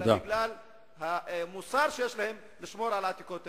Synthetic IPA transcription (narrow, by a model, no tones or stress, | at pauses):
aɡlal | hamusaɾʃejeʃlahem | liʃmoɾʕalat̪ikot̪